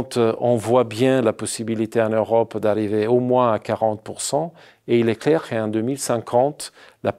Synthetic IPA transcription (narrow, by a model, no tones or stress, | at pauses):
t̪ɔ̃vwabjɛ̃lapɔsibilit̪eɑ̃nøʁɔpd̪aʁiveomwɛ̃akaʁɑ̃t̪̚puʁsɑ̃ | eilɛklɛʁkəɑ̃d̪ømilsɛ̃kʰɑ̃t̪la